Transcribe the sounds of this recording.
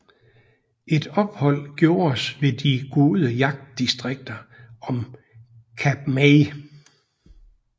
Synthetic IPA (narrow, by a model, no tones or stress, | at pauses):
e̝d̥ɒ̽b̥hɒ̽l̰ɡ̥jo̝ːɐsʋe̝d̥iɡ̥o̝ːð̞ˠəjɑ̈ɡ̥̚d̥isd̥ʁeɡ̥̚d̥ɐɒ̽m | kʰæb̥me